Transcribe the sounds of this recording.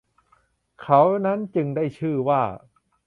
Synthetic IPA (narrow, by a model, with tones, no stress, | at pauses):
kʰa˦˥wna˦˥nt͡ɕɯ˧ŋda˥˩jt͡ɕʰɯː˥˩waː˥˩